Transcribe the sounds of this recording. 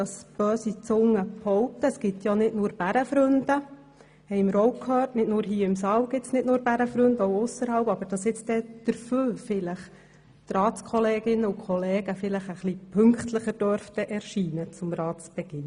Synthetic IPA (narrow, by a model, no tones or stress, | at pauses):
ɑsb̥øːsit͡sʊŋːəphɔwp̚t̪əːsɡ̥ɪt̪jɑnɪdnʊːɾb̥æɾəfɾʉnd̪ə | hɛɪməɾɔwkʰhøːrtnɪtnʊːɾɦiːəɪmsɑːwɡ̥ɪtsnɪtnuːɾb̥æɾəfɾɵnd̪əɔwʊsəɾhɑwpɑb̥əɾd̥ɑsɪt͡stɛd̪̥əɾføːfɪləχ | t̪rɑːtskχɔlɛːɡɪnːəukʰχɔleːɡ̥əfɪləχəχlipʰɵŋkχtləχəɾd̥øɾft̪əʔɛɾʃiːnət͡sʊmɾɑːtsb̥ɛɡ̥ɪn